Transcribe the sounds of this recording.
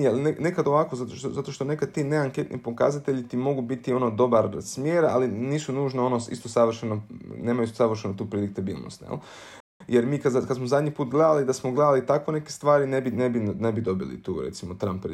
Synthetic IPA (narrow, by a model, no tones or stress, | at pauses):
jelnene̞kad̪o̞ʋakozat̪oʃt̪ozat̪o̞ʃt̪o̞ne̞kad̪̚t̪iːne̞aŋke̞t̪nʔḭpo̞ka̰zat̪e̞ʎit̪imo̞ɡubit̪io̞nod̪o̞baɾsmjeːɾa̰liniːsunuːʒnao̞noḭst̪osaʋr̩ʃenoneːmajuist̪osaʋr̩ʃenut̪uːpɾelik̚t̪abḭːlˠno̰st̪jḛl | jeɾmiːkad̪zakad̪smozad̪ɲipuːt̪ɡled̪alid̪asmoɡled̪alit̪akʋo̞ne̞kest̪ʋaːɾinebinebinnebid̪o̞bilḭt̪ṵːɾḛt̪simot̪ɾampɾ